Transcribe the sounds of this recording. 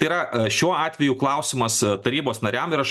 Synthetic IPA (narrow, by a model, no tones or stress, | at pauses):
ɐɪiɾɐʃʲuɔɑːt̪ʲʋʲɛjuːklˠɐʊsʲɪmɐst̪ɐɾʲiːboːsnɐɾʲæmɪɾɐʃt